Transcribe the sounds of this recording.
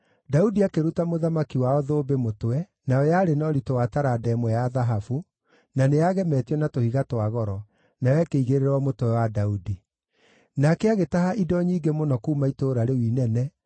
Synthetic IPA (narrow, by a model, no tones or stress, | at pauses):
daudiakeɾutamoðamakiwaɔðoːbemotwɛ | naɔjaːɾenɔɾitowataɾadɛmwɛjaðaɦafu | naneaɣɛmɛtiɔnatohiɣatwaɣɔɾɔ | najɛkeiɣeɾeɾɔmotwɛwadaudi | nakɛaɣetaɦaʔidɔɲiːɡemonɔkuːmaitoːɾaɾewiːnɛnɛ